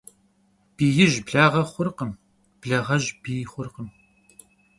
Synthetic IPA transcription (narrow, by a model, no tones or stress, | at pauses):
b̥iːjɪʒbɮaːʁɐχʷʊrqəm | b̥ɮɐʁɐʒbiːjχʷʊrqəm